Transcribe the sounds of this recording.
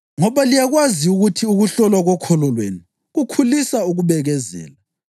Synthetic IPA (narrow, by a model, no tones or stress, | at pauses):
ŋɔβalijaɣwaziuɣutʰiuɣuɬɔlaɣɔkʰɔlɔlwḛnu | ɣukʰulisauɣuβɛɣɛzɛ̰ːla